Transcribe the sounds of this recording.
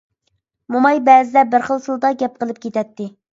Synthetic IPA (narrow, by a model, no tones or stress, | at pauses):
mumɑjbɛːzɪd̪ɛbɪɾχəlˠsɨlˠd̪ɑɡʲɛp̚qəlˠɨp̚kʲʰet̪ɛt̪ʰːɪ